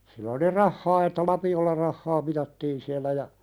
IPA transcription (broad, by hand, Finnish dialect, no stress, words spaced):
silːæ oli rɑhːɑː etːæ lɑpiolːɑ rɑhːɑː mitɑtːiːn siælːæ jɑ